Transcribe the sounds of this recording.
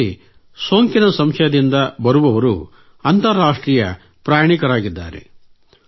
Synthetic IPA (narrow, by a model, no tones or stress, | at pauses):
i | so̞ːŋkinɐsɐmʂɐjɐd̪ind̪ɐbɐɾuʋɐʋɐɾṵ | ɐnt̪ɐɾːaːʂʈɾiːjɐ̰ | pɾaːjɳikɐɾaːɡid̪ːa̰ːɾḛ